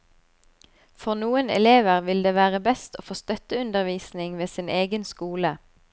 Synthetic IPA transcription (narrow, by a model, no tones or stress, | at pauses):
fɔʁnuːənɛ̰leːʋəʁʋɪld̪eːʋæːʁəbɛst̪oːfoːst̪œt̪əʉnd̪əʁʋiːsnɪŋʋeːsɪneːɡənskuːlə